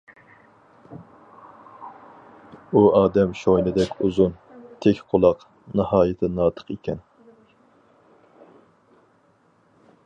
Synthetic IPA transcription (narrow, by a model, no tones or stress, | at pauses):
uɑːd̪ɛmʃojnɪd̪ɛkʲuzʊnt̪ʰɛkʲqʰʊlˠɑq | nɨhɑːjɪt̪ʰɪnɑːt̪ʰə̥qekʲɛn